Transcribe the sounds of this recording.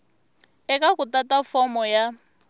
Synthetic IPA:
ɛkʼakutatafɔmɔja

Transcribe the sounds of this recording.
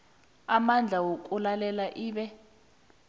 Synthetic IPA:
amand͡ɮʱawokʼulalɛlaʔiːɓɛ

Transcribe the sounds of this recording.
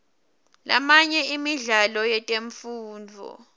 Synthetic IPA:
la̰maɲɛimiɮalɔjɛtʼeɱfuːnd͡vʱɔ̰

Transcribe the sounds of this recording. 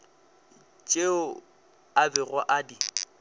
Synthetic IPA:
t͡ʃʼeʊ | abɪrwaʔadi

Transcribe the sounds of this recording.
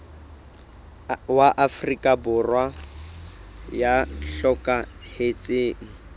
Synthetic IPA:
waʔafrikʼabʊrwa | jaɬɔkʼahet͡sʼeːŋ̩

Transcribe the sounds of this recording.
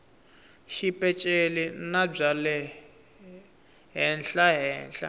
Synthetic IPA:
ʃipʼɛt͡ʃʼelinab͡ʐalɛ | ɦɛnɬaɦɛ̰ːnɬʼa̰

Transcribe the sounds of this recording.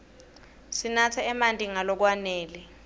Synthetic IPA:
sinatʰɛɛmantʼiŋalɔk̬wanɛːlɛ

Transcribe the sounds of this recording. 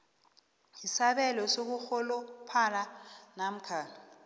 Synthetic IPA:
isaɓɛlɔsok̬uxɔlɔpʰalanam̩kʰaːni

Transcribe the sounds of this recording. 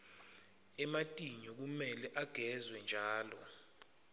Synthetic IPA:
ɛmatʼiɲɔk̬umɛlɛʔaɡ̥ʱɛzwɛnd͡ʒʱaːlɔ

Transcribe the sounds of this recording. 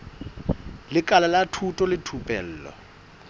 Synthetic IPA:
lɪkʼalalatʰutʼɔlɪtʰupʼɛl̩ːlɔ̰

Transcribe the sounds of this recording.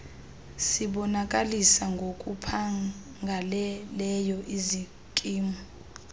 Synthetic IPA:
siɓɔnakʼalisaŋɡʱokʼupʰa | ŋɡʱalɛlɛjɔʔizi | kʼiːmu

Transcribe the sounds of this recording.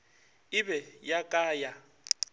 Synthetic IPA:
ɪbɛjakʼaːja

